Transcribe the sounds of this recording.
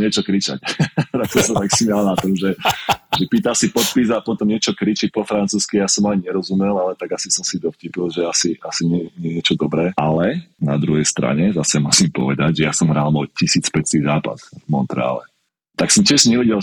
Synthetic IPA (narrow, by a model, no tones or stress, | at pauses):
ɲɪɛt͡ʃɔkɾit͡ʃa̰ct̪aksɔsat̪aksimalnat̪ɔmʒɛʒɛpiːt̪alsipɔt̪̚pizapɔt̪ɔmɲɪɛt͡ʃɔkɾit͡ʃic̚pɔfɾant͡suːskijasɔmaɲɛɾɔzumɛlalɛt̪aɡasisɔmsid̪ɔfcipilʒɛasiasiɲɛɲɛɲɛt͡ʃɔd̪ɔbɾɛːalɛna̰d̪ɾuɦɛjst̪ɾa̰ɲɛzasɛmusimpɔ̰ʋɛd̪aɟʒɛjasɔmɦɾalmɔcisiːt͡spɛt͡st̪iːzaːpa̰svmɔnt̪ɾɛ̰a̰ːlɛ̰ | t̪aksɔmtʲɪɛʒɲɛʋɛɟɛl